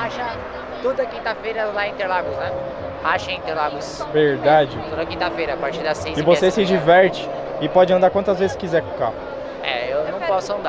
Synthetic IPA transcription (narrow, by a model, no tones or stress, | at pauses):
haʃɐ | t̪od̪ɐkĩt̪ɐfejɾɐlaĩnt̪eɾlaɡʊsnɛ | haʃɐĩnt̪eɾlaɡʊsveɾd̪ad͡ʒɪt̪od̪ɐkĩt̪ɐfejɾɐːpaɾt͡ʃiɾd̪ɐsejsɪvossesɪd͡ʒivɛɾt͡ʃɪ̥ | ɪpɔd͡ʒɪɐ̃nd̪aɾkwɐ̃nt̪ɐzvezɪskizɛɾkũkaʊ | ɛ̰ewnɐ̃w̃pɔsʊɐ̃nd̪a